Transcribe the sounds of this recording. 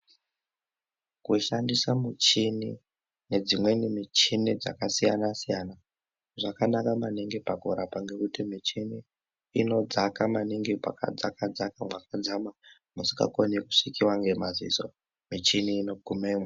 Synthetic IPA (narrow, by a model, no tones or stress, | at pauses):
kuʃandisamut͡ʃini | ne̞d͡zimwe̞nimit͡ʃinid͡za̰kasijanasijana | ʐakanakamaniŋɡipakuɾapaŋɡe̞kutimit͡ʃiniː | no̞d͡zakamaniŋɡipa̰ka̰d͡zakad͡zakamwakad͡zama | musikɡa̰koneku̥ʂikiwaŋɡe̞mazḭso | mit͡ʃiniːno̞ɡʱumemwa